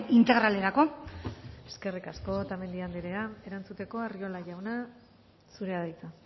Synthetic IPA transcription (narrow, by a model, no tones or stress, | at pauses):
int̪e̞ɣɾale̞ɾako̞ | e̞ske̞rikasko̞t̪ame̞nd̪iand̪eɾeae̞ɾant͡sut̪e̞ko̞ario̞laʝawna | suɾe̞aðejt͡sa